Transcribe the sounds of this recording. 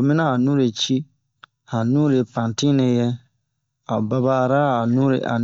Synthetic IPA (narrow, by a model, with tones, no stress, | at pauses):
o˨mɪ˦na˦a˨nũ˦ɾe˨t͡ʃi˦ | ha˨nũ˦ɾe˨pã˨ntĩ˦nɛ˨jɛ˦ | a˨ba˦baː˦˨ɾa˦a˨nũ˦ɾḛ˨ʔa̰˨